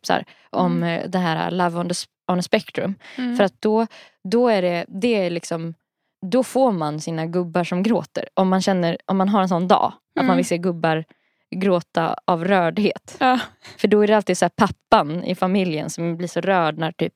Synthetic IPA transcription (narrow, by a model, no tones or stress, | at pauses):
sæ̰ːɾ | ʔɔmd̪ɛɦæːɾa̰lavɔnd̪ə | anəspɛkt̪ɾɵ̰mffœɾat̪̚d̪̥ɔ | d̪ɔæɖɛd̪ɛælɪksɔm | d̪ɔfoːɾmansiːnaɡɵbːaʂɔmɡɾo̰ːt̪ə̰ɾʔɔmːanɕɛnːəɾʔɔmːanɦaɾɛnsɔnːd̪ɑ̰ː | ʔat̪manvɪlseːɡɵbːaɾ | ɡɾoːt̪a̰avɾœːɖheːt̪ːfœɖɔæɖɛalt̪iːd̪sæːɾpʰapːanɪ̰famɪljə̰nsɔmbliːʂɔɾœːɖnæɾt̪ʰy̰ːp̚